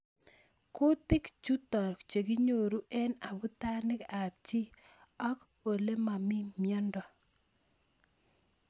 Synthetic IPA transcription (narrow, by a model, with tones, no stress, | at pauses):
ko˦tɪ˦kt͡ʃu˦tɔ˨ɾkt͡ʃe˨ɡi˦ɲo˨ɾu˦ʔɛ˦na˨bʊ˦ta˦nɪ˦ka˨b̚t͡ʃi˦ | ɔ˦k | po˨le˦ma˨mɪ˦mjɔ˦ndɔ˨